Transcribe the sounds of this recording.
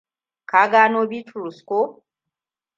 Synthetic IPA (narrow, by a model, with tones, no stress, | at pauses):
ka˨˦ɡa˦no˦bi˦tɾu˨sko˦